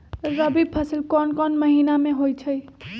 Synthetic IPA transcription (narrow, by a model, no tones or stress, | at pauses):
ɾəbib̚pʰəsəlkɔnkɔnməɦinamẽɦojt͡ʃʰəj